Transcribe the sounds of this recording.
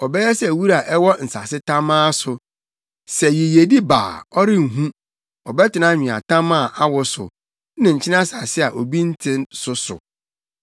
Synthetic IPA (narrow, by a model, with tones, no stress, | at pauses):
ɔ˨bɛ˦jɛ˦sɛ˨wu˦ɾa˨ʔɛ˦wɔ˦n̩˨sa˨sɪ˦tʰã˦mãː˦sʊ˨ | sɛ˨ji˨je˨di˦ba̰ː˨ɔ˦ɾɪ̃˦ŋ̩˨ɦũ˦ | ɔ˨bɛ˦tʰɪ˨nã˦ɲᶣĩ˨a̰˨tʰã˦mã˦˨ʔa˦wʊ˨sʊ̰˨ | nɪ̃˨ɲ̩˨t͡ɕʰɪ˦nã˦sa˨sɪ˦a˨ʔo˨bi˦n̩˦tʰɪ̃˦nsʊ˦sʊ̰˨